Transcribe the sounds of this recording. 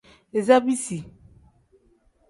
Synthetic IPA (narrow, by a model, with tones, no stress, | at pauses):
e˨za˦bi˦si˨